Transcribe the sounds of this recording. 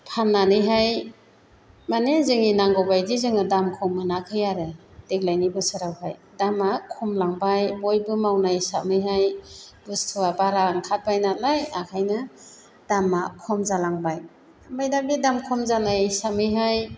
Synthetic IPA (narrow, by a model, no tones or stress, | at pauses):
pʰanːanɯjɦaj | manezɯŋinaŋɡɔbajdizɯŋɯdamkʰɔmɯnakʰɯjaɾɯd̥ek̚lajnibɯsɯɾawhajdamakʰɔmlaŋbajbɔjbɯmawnajsa̰mɯjɦajbɯstʰuwabaɾaŋkʰat̚bajnalajakʰajnɯ | d̥amakʰɔmzalaŋbaj | majdambidamkʰɔmzanajsamɯjɦaj